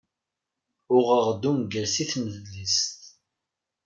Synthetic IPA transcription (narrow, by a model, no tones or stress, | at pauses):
ʊʁəʁd̪umɡəɾsiθməðlist̪